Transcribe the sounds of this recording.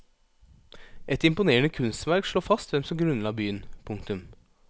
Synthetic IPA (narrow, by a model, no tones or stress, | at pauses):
ʔɛt̪ɪmpʊneːənəkʰʉnst̪ʋæɾkʂɭoːfɑst̪ʋɛmsɔmɡɾʉnlɑːbyːənpʰʊŋkt̪ʉm